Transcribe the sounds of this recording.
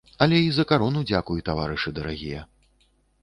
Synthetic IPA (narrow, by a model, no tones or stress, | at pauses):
ɐlʲɛizɐkaɾɔnud͡zʲakujut̪avaɾɨʂɨd̪ɐɾaɣʲḭjɛ